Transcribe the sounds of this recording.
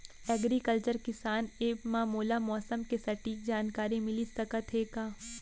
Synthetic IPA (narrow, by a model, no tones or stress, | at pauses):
ɛːɡɾikəlt͡ʃəɾkɪsaːneːpmaːmoːlamɔːsəmkesɐʈiːk̚d͡ʒaːnkaːɾimɪlisɐkət̪ɦeːkaː